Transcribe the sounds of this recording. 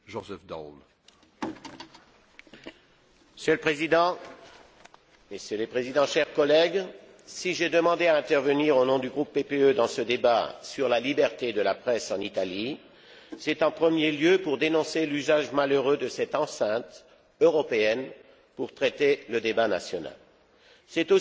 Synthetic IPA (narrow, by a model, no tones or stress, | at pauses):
ʒɔzɛfd̪a̰l | məsjøləpχezid̪ɑ̃ | məsjølepχezid̪ɑ̃ʃɛʁkɔlɛɡ | siʒed̪əmɑ̃d̪eaɛ̃t̪ɛʁvəniʁonɔ̃d̪yɡʁupːepeød̪ɑ̃səd̪ebasyʁlalibɛʁt̪ed̪əlapχɛsɑ̃nit̪ali | sɛt̪ɑ̃pχəmjeljøpuʁd̪enɔ̃selyzaʒmaløʁød̪əsɛt̪ɑ̃sɛ̃t̪ | øʁɔpeɛn | puʁt̪χɛt̪eləd̪ebana̰sjɔna̰l | sɛt̪o